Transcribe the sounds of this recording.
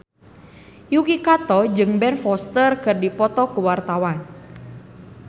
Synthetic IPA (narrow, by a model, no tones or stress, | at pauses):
jukikat̪ɔd͡ʒɨŋbɛnfɔst̪ərkərdipɔt̪ɔkuwart̪awan